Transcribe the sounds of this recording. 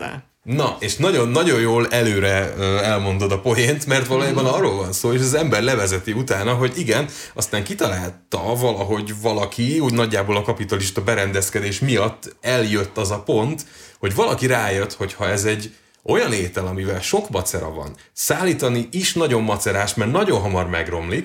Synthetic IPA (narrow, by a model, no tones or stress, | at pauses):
nɒeːʃnɒɟo̞nːɒɟo̞jjoːlɛløːɾɛøɛlmo̞nd̪o̞d̪ɒpo̞jeːnt̪mɛrt̪ʋɒlojaːbɒnɒrːoːlvɒnsoːeːʃ̬ɒzɛmbɛrlɛvɛzɛt̪iut̪aːnɒɦo̞ɟiɡɛn | ɒst̪aːŋkit̪ɒlaːlt̪ɒvɒlɒɦo̞ɟvɒlɒkʰiuːɟnɒɟːaːboːlɒkɒpit̪ɒliʃt̪ɒbɛɾɛnd̪ɛskɛd̪eːʃmijɒt̪ːɛljø̞t̪ːɒzɒpo̞nt̪ho̞ɟvɒlɒkiɾaːjøt̪ho̞chɒɛzɛɟː | o̞jɒneːt̪ɛlɒmivɛlʃo̞kmɒt̪sɛɾɒ̰vɒ̰nsaːlːiːt̪ɒniʔiʃnɒɟo̞mːɒt̪sɛɾaːʃmɛrnɒɟo̞nɦɒmɒrmɛɡro̞mlik